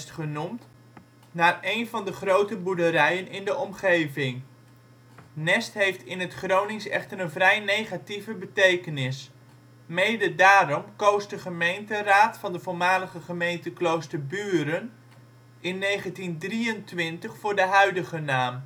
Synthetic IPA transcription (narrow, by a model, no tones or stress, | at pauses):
stχənumt | naːrejnvɑndəχrowtəbudəɾɛjənɪndəʔɔmχejvɪŋ | nɛstɦejftɪnɦətχrownɪŋsɛ̰χtəɾənvrɛjnejχativəbətejkənɪs | mejdədaːɾɔmkowsdəχəmejntəraːtfɑndəvʊːɹmaːləχəχəmejntəklowstəɹbyːɾən | ɪnːejχəntindriəntʋɪntəχfʊːɹdəɦœɥdəχənaːm